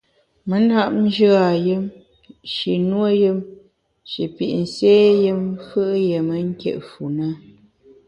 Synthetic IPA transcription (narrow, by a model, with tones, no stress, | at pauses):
mə˨na˦ʔn̩˦d͡ʒɨ˦a˨jɨ˦m | ʃi˨nwo˦jɨ˦m | ʃḭ˨pḭ˨ʔn̩˨seː˦jɨ˦mfɨ˦ʔje˨mə˦ŋ̩˦kjḛ˦˨ʔfu˨nə˦